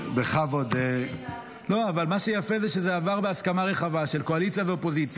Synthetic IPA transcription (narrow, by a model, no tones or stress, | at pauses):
beχavod̪e | lo̞avalmaʃejafezeʃezeavaʁbeaskamaʁe̞χavaʃe̞lkoalit͡sijaveopo̞zit͡sja